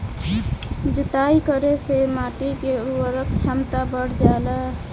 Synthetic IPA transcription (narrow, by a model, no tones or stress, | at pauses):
d͡ʒut̪aikəɾesemaʈikeɾuəɾək̚t͡ʃʰamt̪abəɽ̤d͡ʒala